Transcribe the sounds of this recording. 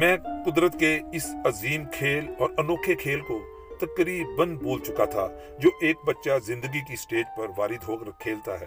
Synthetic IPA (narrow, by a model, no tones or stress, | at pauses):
mɛ̃ːkʊd̪ɾət̪keɪsɐziːmkʰeːlɔːɾɐnoːkʰekʰeːlko | t̪ɐkɾiːbənbuːlt͡ʃʊkat̪ʰa̰ | d͡ʒoːʔeːk̚bətːʃazɪ̃nd̪əɡikisʈeːd͡ʒpɐɾʋaːɾɪd̪ʱɦoːkəɾkʰeːlt̪aɦɛ̰ː